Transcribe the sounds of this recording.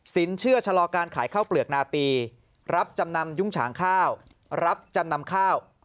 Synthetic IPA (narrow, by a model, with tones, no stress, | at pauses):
si˩˦nt͡ɕʰɯ˥˩ɐt͡ɕʰa˧lɔː˧kaː˧nkʰaː˩˦jkʰaː˥˩wplɯ˨˩ək̚naː˧piː˧ | ɾa˦˥p̚t͡ɕa˧mna˧mju˥˩ŋt͡ɕʰa̰ː˩˦ŋkʰaː˥˩w | ɾa˦˥p̚t͡ɕa˧mna˧mkʰaː˥˩w